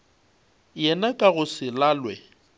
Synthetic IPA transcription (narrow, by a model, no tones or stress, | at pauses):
jɛnakʼaɣʊsɪlaːlwɛ